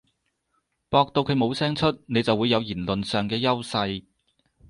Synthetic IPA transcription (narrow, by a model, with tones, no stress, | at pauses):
pɔː˧k̚t̪o˧wkʰɵ˨˧ɥmo˨˧wsɛː˥ŋt͡ʃʰɵ˥t̚ne˨˧jt͡sɐ˨wuː˨˧jːɐ˨˧wjiː˨˩nlɵ˨˩nsœː˨˩ŋkɛː˧jɐ˥wsɐ˧j